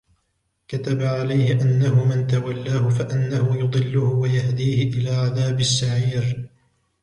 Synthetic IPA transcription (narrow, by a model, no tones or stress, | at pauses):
kat̪abaʕalajhɪʔanːahʊmɪnt̪awalːaːhʊfaʔanːahʊjʊd̪ˤɨlːʊhʊwajahd̪iːhɪʔɪlaːʕaðaːbɪsːaʕiːɾ